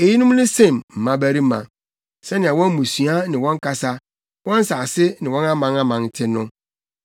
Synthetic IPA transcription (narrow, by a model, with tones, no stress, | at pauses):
e˨ji˦nʊ̃˦m˦nʊ̃˦sẽ˦˨mm̩˨mã˦bæ˦ɾi˦mã̰˨ | sɛ˦nɪ̃˨a˨wɔ̃˦m˦mũ˨sɥa˦nɪ̃˨wɔ̃˦ŋ˦ka˦sa˦ | wɔ̃˦n̩˦sa˨sɪ˦nɪ̃˨wɔ̃˦nã˦mã˨nã˦mã˨ntʰɪ˦nʊ̃˦